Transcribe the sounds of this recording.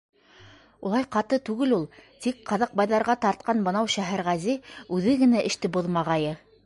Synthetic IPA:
ulˠɑjqɑt̪ɤt̪ʉɡɘlulˠt̪ik̚qɑðɑq̚bɑjðɑɾʁɑt̪ɑɾt̪̚qɑnbɤ̆nɑwʃæɦæɾʁæziʉðɘɡɘ̆næʔɘ̆ʃt̪ɘboðmɑʁɑjɤ

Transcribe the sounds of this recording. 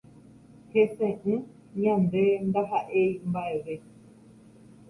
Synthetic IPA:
hesẽʔɨ̃ | ɲãnd̪e̞nd̪aɦaʔeimbaeʋe̞

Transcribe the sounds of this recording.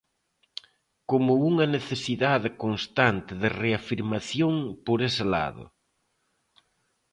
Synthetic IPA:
komʊuŋɐneθesiðaðɪkonst̪ant̪ɪðɪreafiɾmaθjoŋpoɾesɪla̰ðʊ̰

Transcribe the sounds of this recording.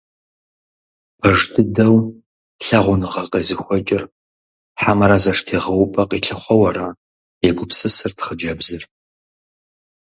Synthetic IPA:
pʰɐʐtʰɨdɐw | ɬɐʁʷʊnɨʁɐqʼɐzɨxʷɔt͡ʃʼɪr | ħamɐɾɐzɐʂtʰeːʁɐwpʼɐqʼiɬɨχʷɔwɐɾa | jɛɡʷʊpsɨsɨrtχəd͡ʒɐbzɨr

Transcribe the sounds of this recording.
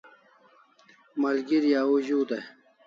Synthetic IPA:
mɐlɡiɾjaːuʑuːd̪ɐ

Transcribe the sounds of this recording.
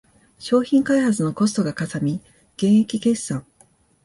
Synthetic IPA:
ɕo̞ːçĩŋkaihat͡sɨno̞ko̞s̬ɨ̥t̪o̞ɡakasamʲi | ɡ̥ẽ̞ɰ̃ekʲike̞sãŋ̃

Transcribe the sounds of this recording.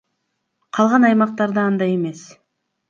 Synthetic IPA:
qʰɑlˠʁɑnɑjmɑq̚t̪ɑɾd̪ɑɑnd̪ɑje̞me̞s

